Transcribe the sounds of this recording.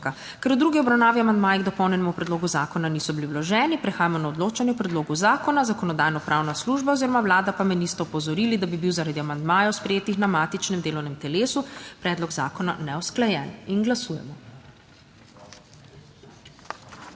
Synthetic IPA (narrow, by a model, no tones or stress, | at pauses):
a | kɛɾud̪ɾuɡiɔbɾawnaːʋiamand̪maːjiɡd̪ɔpɔwnɛnɛmupɾɛd̪loːɡuzaːkɔnanisɔbiliwlɔʒɛːnipɾɛxaːjamɔnaɔd̪loːt͡ʃanjɛpɾɛd̪loːɡuzaːkɔnazakɔnɔd̪aːjnɔpɾʔawnasluːʒbaɔziːɾɔmawlaːd̪apamɛnist̪ɔɔpɔzɔɾiːlid̪abibiwzaɾad̪iamand̪maːjɔwspɾɛjeːt̪ixnamaːt̪it͡ʃnɛmd̪eːlɔwnɛmt̪ɛleːsupɾɛːd̪lɔɡza̰ːkɔna̰nɛɔsklajɛ̰ninɡlasuːjɛ̰mɔ